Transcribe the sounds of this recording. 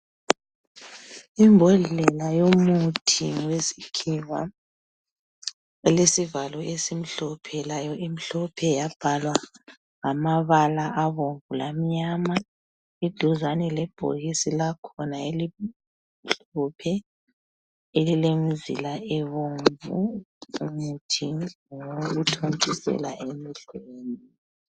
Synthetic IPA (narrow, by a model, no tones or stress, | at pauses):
imbʱɔɮɛlajomutʰiŋwesi̥kʰiwa̰ | lesivalɔesim̩ɬɔpʰɛlajɔʔim̩ɬɔpʰɛjab̥ʱalwa | ŋamaβalaʔaβoɱvulam̩ɲama | idʱuzanɛlɛb̥ʱo̰ɣisilakʰɔnaeli | ɬupʰɛ | elilemizḭlaʔɛβoɱvṵ | mutʰiŋoɣutʰont͡ʃʼisɛ̰laʔemiɬeːni